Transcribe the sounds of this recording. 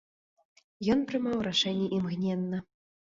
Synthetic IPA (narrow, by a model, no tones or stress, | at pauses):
jɔnpɾɨmawraʂɛnʲːɛʔimɣnʲɛnːɐ